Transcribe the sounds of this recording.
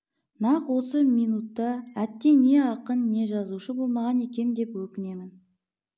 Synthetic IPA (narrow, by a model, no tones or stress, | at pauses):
nɑqwo̞səminut̪ːɑæt̪ːe̞ne̞ɑqənːe̞ʒɑzuʃəbo̞lˠmɑʁɑne̞kʲe̞md̪e̞pwɵkʲɪne̞mɪn